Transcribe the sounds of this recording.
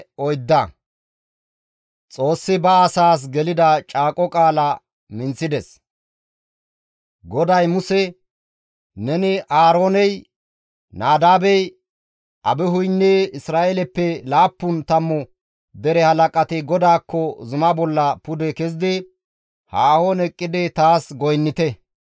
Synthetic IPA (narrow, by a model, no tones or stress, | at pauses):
ɔjd̪ːɐ | t͡sʼo̞ːsːɪbɐːsaːs̬ɡɛlɪd̪ɐt͡ʃʼaːkʼɔkʼaːlɐ | mɪnt͡sːɪd̪ɛs | ɡɔd̪ɐjmʊsɛ | nɛnɪʔaːɾoːnɛj | naːd̪aːbɛj | ʔɐbɛɦʊjnːeːɪsɾaːʔelɛpːɛlaːpːʊnt̪ɐmːɔ | d̪ɛɾɛhɐlɐkʼɐt̪ɪɡɔd̪aːkːɔzʊmɐbɔlːɐpʊd̪ɛkɛzɪd̪ɪ | haːhonɛkʼːɪd̪ɛt̪aːsɡɔjnːɪt̪ɛ